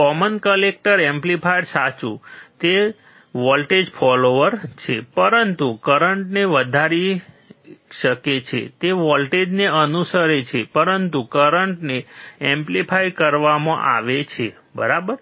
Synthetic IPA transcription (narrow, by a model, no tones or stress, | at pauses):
kɔmənkəlek̚ʈəɾemplipʰajɖsat͡ʃut̪e | ʋɔlʈed͡ʒpʰɔloʋəɾt͡ʃʰepəɾənt̪ukəɾəɳʈneʋəd̪ʱaɾi | ʃəket͡ʃʰḛt̪eʋɔlʈed͡ʒneənusəɾet͡ʃʰepəɾənt̪ukəɾəɳʈneẽmplipʰajkəɾʋamã̰ʔa̰ʋet͡ʃʰe | bə̰ɾabəɾ